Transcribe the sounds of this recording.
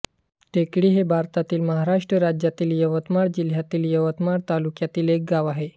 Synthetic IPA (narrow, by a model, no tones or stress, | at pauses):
ʈekɽiːɦebʱaɾt̪at̪iːlməɦaɾaʂʈɾəɾad͡ʑjat̪iːljəʋət̪maɽd͡ʑil̤jat̪iːljəʋət̪maɽt̪alukjat̪iːlek̚ɡaʋaɦe